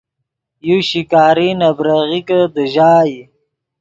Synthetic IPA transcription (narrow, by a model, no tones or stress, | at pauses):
juɕikaːɾinabɾaɣikəd̪əʒaːji